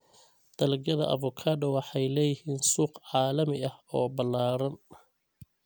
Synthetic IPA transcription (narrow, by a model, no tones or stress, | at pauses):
d̪̥ɐlɡɐðɐ̰ʔɐ̰vʊkʰaːd̪ɔwɑħɑjlɛːjɪhiːnsuːqʕɑːlɐmɪɐhɔːbɐlːaːɾɐn